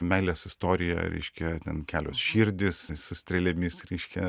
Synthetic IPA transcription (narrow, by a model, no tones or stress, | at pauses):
mʲɛɪlʲeːsɪst̪oːɾʲɪjɛ̰ɾʲɛ̰ɪʃʲkʲɛt̪ʲɛnkʲæːlʲoːsʃʲiːɾʲd̪ʲɪssʊsʲt̪ʲɾʲɛlʲɛmʲɪsɾʲɛɪʃʲkʲɛ